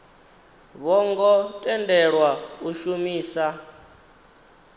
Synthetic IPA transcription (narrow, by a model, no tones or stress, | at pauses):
βɔŋɡɔtʼɛndɛɺwauʃumiːsa